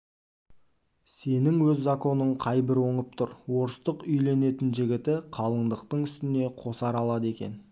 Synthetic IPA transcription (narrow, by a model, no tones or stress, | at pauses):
se̞nɪŋwɵzːako̞nəɴqʰɑjbɪɾwo̞ɴəp̚t̪ʰʊɾwo̞ɾəst̪əqʏjle̞ne̞t̪ɪnʒɪɡʲɪt̪ɪqʰɑlˠəɴd̪əqt̪əɴʏst̪ɪne̞qʰo̞sɑɾɑlˠɑd̪əe̞kʲe̞̰n